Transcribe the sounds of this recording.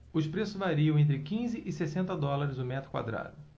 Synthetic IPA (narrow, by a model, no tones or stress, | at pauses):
ʊʃpɾesʊzvaɾiɐ̃ẽnt̪̬ɾɪkĩzɪʔɪsesẽnt̪ɐd̪ɔlaɾɪzʊmɛt̪ɾʊkwa̰d̪ɾa̰d̪ʊ